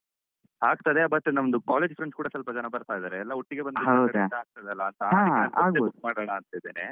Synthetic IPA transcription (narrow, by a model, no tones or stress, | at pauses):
ɦaːɡ̚t̪ɐd̪eɐbɐt̪ːenɐmnd̪ukaːled͡ʒpʰɐɾeɳskuːɽɐsɐlpɐd͡ʒɐnɐbɐɾt̪aːjd̪aːɾeɛlːɐoʈːiɡebɐndɦɐwdɐd̪ɐɦaːɡ̚t̪ad̪eɐlːɐːnt̪ɐːaaːɐaːɡ̪omaːɽɐɽɐɐnt̪ɐid̪ene